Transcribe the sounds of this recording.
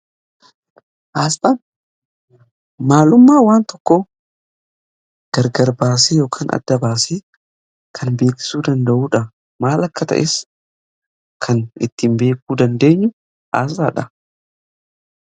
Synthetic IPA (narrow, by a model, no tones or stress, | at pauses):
ʔaːsɐn | maːlʊmːaːwaːnt̪ɔkːo | ɡ̥ɐɾɡɐɾbaːsejo̞ːkʰaːnʔɐ̰d̪ːɐbaːse | kʰɐnbe̞ːkɪ̥suːd̪ɐnd̪ɐʔuːᶑɐ | maːlɐkːɐt̪ɐ̰ʔɛs | kʰɐnɪ̰t̪ːɪmbe̞ːkuːd̪ɐnd̪e̞ːɲːʊ | ʔa̰ːs̬aːᶑɐ